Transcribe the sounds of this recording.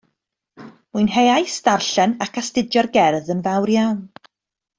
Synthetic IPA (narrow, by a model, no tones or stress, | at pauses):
muɨnɦejajstarɬɛnakʰastɪdjɔrɡɛrðənvawɾjawn